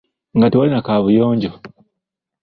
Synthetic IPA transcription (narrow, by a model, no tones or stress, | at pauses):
ŋɡatiwalinakaβujoːɲɟo